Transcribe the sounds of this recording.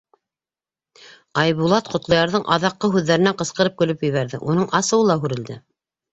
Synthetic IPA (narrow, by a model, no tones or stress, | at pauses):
ɑjβulˠɑt̪qŏt̪lˠɑjɑɾðɤɴʔɑðɑqːɤɦʉðːæɾɘ̆næɴqɤ̆sqɤ̆ɾɤp̚kɵ̆lɵpjɘ̆βæɾðɘʔunɤɴʔɑsɤ̆wɤlˠɑɦʉɾɘ̆ld̪ɘ